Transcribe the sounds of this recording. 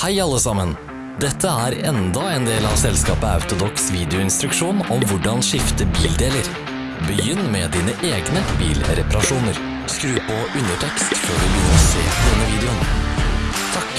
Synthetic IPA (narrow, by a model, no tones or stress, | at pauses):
hæɪɑlːəsɑmən | d̪ɛt̪ʰːəæːɾɛnd̪ɑeːnd̪eːlɑʋsɛlskɑːpəɑ̰ʉt̪ʊd̪ɔksʋiːd̪ɪʊɪnst̪ɾʉkʂuːnɔmʋʊɖɑnʂɪft̪əbiːld̪eːləɾ | bəjʏnːmɛːd̪iːnəʔeːɡnəbḭːlɾɛpɑɾɑʂuːnəɾ | skɾʉːpɔʉnəʈʰɛkst̪føːɖʉbʏnɾɔsḛːpɔd̪ɛnːəʋiːd̪ɛʊn | t̪ʰɑk